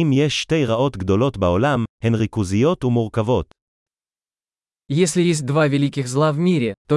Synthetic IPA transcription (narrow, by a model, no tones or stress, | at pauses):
imjeʃːt̪e̞jʁao̞t̪ɡd̪o̞lo̞t̪baolamhenʁikuzijo̞t̪umuʁkavo̞t̪ | jes̬ʲlʲɪjes̬ʲt̚ʲd̪vavʲɪlʲikʲɪxzlˠavmʲiɾʲɪt̪o